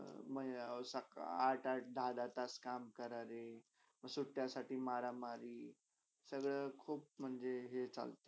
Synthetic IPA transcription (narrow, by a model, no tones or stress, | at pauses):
məsakaɾʈaɾʈ̚d̪ʱad̪at̪askamkəɾaɾe | məsuʈːjasaʈʰiːmaɾamaɾi | səɡɭəkʰuːp̚m̤əɳd͡zeɦet͡sa̰lt̪e̥